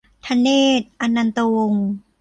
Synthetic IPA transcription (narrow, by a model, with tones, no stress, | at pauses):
t̪ʰa˧nːeː˥˩t̪̚ʔa˧nːa˧nt̪o˧o˧ŋ